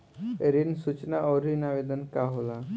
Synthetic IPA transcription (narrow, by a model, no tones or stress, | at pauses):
eɾinsut͡ɕnaʔɔɾinaʋed̪ənkaɦola